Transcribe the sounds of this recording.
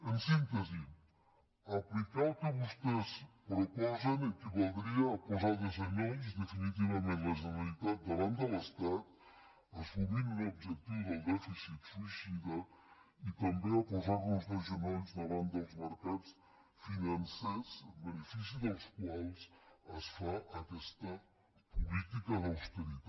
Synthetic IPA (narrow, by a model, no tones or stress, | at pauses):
ənsint̪əzi | əplikawkəβust̪espɾupɔzənikəβolˠd̪ɾiɐːpozaɾðəzɐɲonzd̪əfinit̪̬iβɐmẽnt̪ləʒəβəlit̪at̪̚d̪əβant̪d̪ələst̪at̪̚ | əsuβiɾunobʒək̚t̪iwðəlˠd̪ɛfisit̪suisiðə | it̪əmbeəpozaɾðəlˠzrəʒəmenzðəβant̪d̪əlˠzməɾkat̪s | finɐnsazbənəfis̬iðəlˠskwalˠsəsfaʔəkɛst̪ə | pulit̪ikɐðəwst̪əɾit̪a